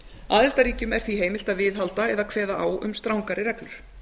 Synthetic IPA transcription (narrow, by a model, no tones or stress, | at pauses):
aːðɪl̥t̪aɾiːcʏmɛɾ̥θviɦeːjmɪl̥t̪aðvɪðɦalt̪aɛðaðkʰv̥ɛːðaaːwʏ̰mst̪ɾawŋkaɾɪɾɛklʏɾ̥